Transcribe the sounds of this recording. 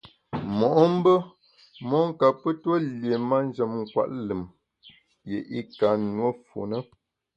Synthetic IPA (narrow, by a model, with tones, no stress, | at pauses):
mɔ˨ʔɔ˦m̩˦bə˦ | mɔ˦ŋ˦ka˨pə˦twə˦lje˨ma˦n˦d͡ʒə˨mŋ̩˨kwa̰˦˨ʔlɨ˨m | jḛ˨ʔi˦ka˨nwə˦fo̰˨nə˦